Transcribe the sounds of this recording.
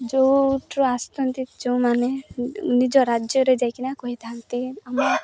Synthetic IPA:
d͡ʒowʈɾɔast̪ɔnt̪id͡ʒowmaneunid͡ʒɔɾad͡ʒjɔɾed͡ʒajkinakɔɦit̪ʰant̪iamɔɾ

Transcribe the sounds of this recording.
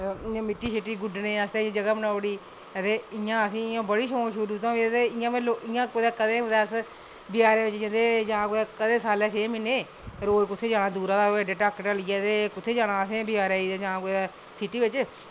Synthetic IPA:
ɪãːmɪʈːiːsɪʈiːɡʊɖneːəst̪ẽːãd͡ʒəɡaːbənaːɽiː | ət̪eːɪjãːəsĩːãːbəɽiːʃoːʃʊɾuːt̪ãːit̪eːɪjãːʋeloɪjãːkoːd̪aːkəd̪ẽːod̪aːs | bɪjaːɾẽːʋɪt͡ʃd͡ʒẽnd̪eːd͡ʒãːkoːd̪aːkəd̪ẽːsaːleːʃeːmɪneː | ɾoːkʊt̪ʰːeːd͡ʒaːnãːd̪uːɾaːd̪aːoɖeːʈaːkʈaliːaːt̪eːkʊt̪ʰːeːd͡ʒaːnãːəsẽːbɪjaːɾaːiːd̪eːd͡ʒãːkoːd̪aː | sɪʈiːʋɪt͡ʃ

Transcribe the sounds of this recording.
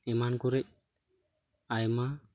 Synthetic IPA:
ɛmankɔɾɛc̚ | ajma

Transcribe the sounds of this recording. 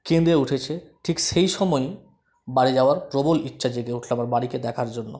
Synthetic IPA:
kend̪euʈʰet͡ɕʰeʈʰikʃejʃɔmɔj | baɽid͡ʑaoaɾpɾobolitːɕad͡ʑeɡeuʈʰlamaɾbaɽiked̪ɛkʰaɾd͡ʑonːo̰

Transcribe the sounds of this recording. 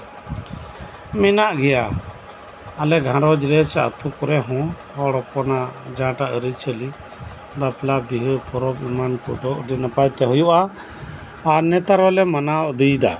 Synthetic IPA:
mɛnaʔɡɛja | alɛɡʱãɾɔd͡ʒɾɛt͡ʃaʔə̰t̪ʰukɔɾɛɦɔ̃ | ɔɽɔpɔnad͡ʒãʈaʔəɾit͡ʃʰəli | baplabiɦəpʰɔɾɔbimankɔ̰d̪ɔʔɖinapajt̪ɛɦɔjuʔaː | ɾnɛt̪aɾɔlɛmanaɔʔd̪ijd̪a̰

